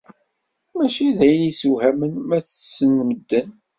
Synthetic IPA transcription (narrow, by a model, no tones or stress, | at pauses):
mæʃiðæjənisuhæmənmæθə̥sːənːməd̪ːən